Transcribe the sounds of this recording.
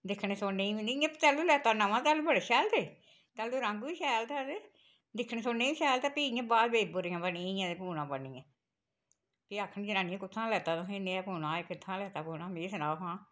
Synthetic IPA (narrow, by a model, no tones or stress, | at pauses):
d̪ɪkʰneːsoːneːiʋiniijãːpt͡ʃɛːluːlɛːt̪aːnãʋãːt̪ɛːluːbəɽeːʃɛːlt̪e | t̪ɛːluːɾəŋɡʋiːʃɛːlt̪ɛːd̪eː | d̪ɪkʰneːsoːnẽːiːʃɛːlt̪ɛːpiːijãːbaːd̪beːbʊɾeːãːbəniẽijãːd̪eːpuːnãːpəniːɛ̃ː | piːakʰːənid͡ʒɪnaːnĩãːkʊt̪ʰːãːlɛːt̪aːt̪õːɦẽːneːɛːpuːnãːɪkɪt̪ʰːãːlɛːt̪aːpuːnãːmeːsənaːpãː